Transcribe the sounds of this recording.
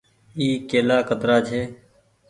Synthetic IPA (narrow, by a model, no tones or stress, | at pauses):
iːkeːlaːkət̪ɾaːt͡ʃʰeː